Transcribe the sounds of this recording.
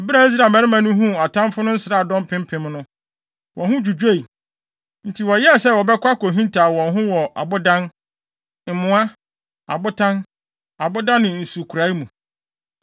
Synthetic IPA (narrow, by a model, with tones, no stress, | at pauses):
ɔ˨bɪ˦ɾa˨i˦s̬ɾa˨mɛ̃˨˦ɾɪ˦mã˨nʊ̃˦ɦũ˦a˨tʰã˦mfʊ˦nʊ̃˦n̩˦sɪ˨ɾaː˦˨dɔ̃˦m˦pʰɪ̃˦m˦pʰɪ̃˨m˦nʊ̃˦ | wʔɔ̃˨hʊ̃˦d͡ʑᶣu˨d͡ʑᶣe˦˨i˨ | n̩˦tʰi˨wɔ˨jɛ˦˨sɛ˦wɔ˨bɛ˦kʷa˦ko˨ɦĩ˦ntʰaː˨wɔ̃˨nɦʊ̃˦wɔ˨ʔa̰˨bʊ˦dã˦n | m̩˨mʊ̃˦a˦ | a̰˨bʊ˦tʰã˦n | a˨bʊ˦dã˦nːɪ̃˨n̩˨su˨kʰu˨ɾa˨˦i˦mũ˨